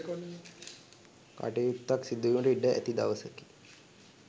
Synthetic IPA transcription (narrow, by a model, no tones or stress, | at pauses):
ka̰ʈejut̪ːaksid̪ːujuɳʈiɖəʔæ̰t̪id̪a̰ʋəsəki̥